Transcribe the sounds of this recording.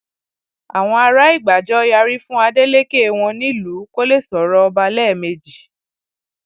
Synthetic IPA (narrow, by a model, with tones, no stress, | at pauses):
a˨w̃ɔ̃˧a˧ɾa˦i˦˨ɡ͡ba˨d͡ʒɔ˦ja˧ɾi˦fũ˦a˧de˦le˦ke˦˨w̃ɔ̃˧nĩ˦lu˨˦ko˦le˦˨sɔ˨˦ɾɔ˦ɔ˧ba˧lɛ˦˨me˨˧d͡ʒi˨